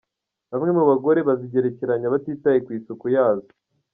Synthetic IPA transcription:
βamŋe̞muβaɡo̞ɾe̞βaziɟe̞ɾe̞ce̞ɾaɲaβatiːtajekwiːsukujaːzo̥

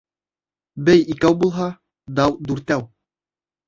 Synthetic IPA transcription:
bɘjikæwbulˠɦɑ | d̪ɑwd̪ʉɾt̪æw

